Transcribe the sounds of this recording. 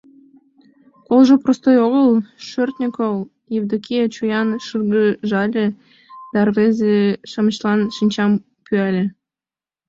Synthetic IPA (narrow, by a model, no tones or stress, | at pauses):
kolʒoprost̪ojoɣəlˠʃørt̪nʲikol | jevd̪okiet͡ɕujɑnʃɯrɣəʒɑlʲe | d̪̥ɑrvezeʃɑmə̆t͡ɕlˠɑnʃinʲt͡ɕɑm | pyælʲĕ